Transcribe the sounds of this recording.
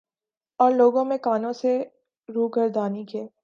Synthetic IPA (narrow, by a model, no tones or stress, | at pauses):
ɔːɾloːɡõmẽkaːnõse | ɾuːɡəɾd̪aːnikeː